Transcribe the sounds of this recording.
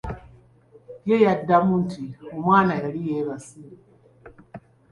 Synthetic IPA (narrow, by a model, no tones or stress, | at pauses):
jejadːamuntiumaːnajaɾijeβasi